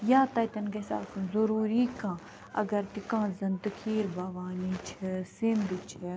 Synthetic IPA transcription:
jaːt̪ɐːt̪ɐnkesa̰ːt̪ʰzɐɾuːɾikãː | ɐ̰ɡɐɾt̪ikãːzɐnd̪ɨkʰiːɾbaːʋaːnit͡ʃʰesɪnd̪it͡ʃʰe

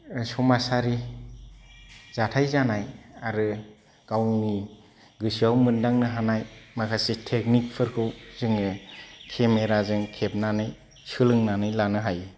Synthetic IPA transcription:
sɔmasaɾi | z̥atʰajzanajaɾɯ | ɡ̥awni | ɡɯsiawmɯndaŋnɯɦanajmakʰasetʰek̚nik̚pʰɯɾkʰɯwzɯŋɯkʰemeɾazɯŋkʰep̚nanɯj | sɯlɯŋnanɯjlanɯɦajɯ

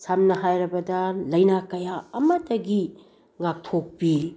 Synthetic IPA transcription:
samnɐɦajɾɐbɐdɐlɐjnakɐjaɐmɐtɐɡi | ŋak̚tʰok̚pi

